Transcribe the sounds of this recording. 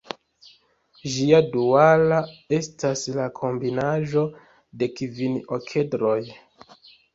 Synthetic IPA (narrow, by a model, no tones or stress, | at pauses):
ʒiadualae̞staslakʰo̞mbinaʒo̞ | de̞kivinokʰe̞dɾo̞j